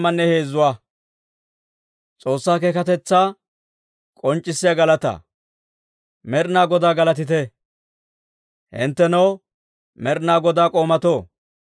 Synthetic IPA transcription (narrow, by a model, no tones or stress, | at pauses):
mɐnːɛhe̞ːzːʊwaː | t͡sʼo̞ːsːaːkeːkɐt̪ɛt͡sːaː | kʼɔnt͡ʃʼːɪsːɪjɐɡɐlɐt̪ɐ̰ | mɛɾnaːɡɔd̪aːɡɐlɐt̪ɪt̪ɛ | hɪ̰nt̪ːɛnɐw | mɛɾnaːɡɔd̪aːkʼo̞ːmɐt̪oː